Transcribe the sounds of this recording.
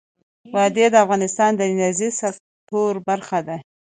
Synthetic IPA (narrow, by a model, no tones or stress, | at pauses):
wɑd̪ed̪əafɣɑnɪst̪ɑnd̪əɪnazisa | t̪oɾbaɾxad̪a